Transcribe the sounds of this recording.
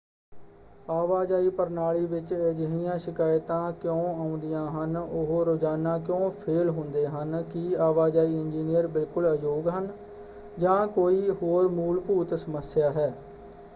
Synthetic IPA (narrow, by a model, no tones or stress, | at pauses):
aːʋaːd͡ʒaːiːpəɾnaːliːʋɪt͡ʃɛːd͡ʒɦijãːʃɪkaːjt̪ãːkjõːaːʊ̃nd̪ɪjãːɦənʊɦoːɾoːd͡ʒaːnãːk̬jõːpʰeːlɦʊ̃nd̪eːɦənkɪaːʋaːd͡ʒaːiːɪnd͡ʒiːnijəɾbɪlkʊləd͡ʒoːɡɦən | d͡ʒãːkoːiːhoːɾmuːlpuːt̪səməsjaːɦɛː